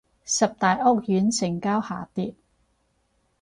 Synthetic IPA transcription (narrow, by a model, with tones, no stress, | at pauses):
sɐ˨p̚t̪aː˨jʔɔː˥k̚jyː˨˥nsʰɪ˨˩ŋkaː˥wha̰ː˨˩t̪iː˧t̚